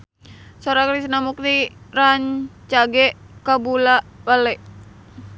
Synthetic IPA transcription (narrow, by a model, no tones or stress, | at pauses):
soɾakɾis̬namuk̚niraɲt͡ʃaɡɛkabulabalɛʔ